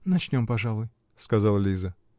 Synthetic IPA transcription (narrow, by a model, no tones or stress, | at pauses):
nɐt͡ɕnʲo̞mpɐʐalˠʊj | skɐzɑlˠəlʲizə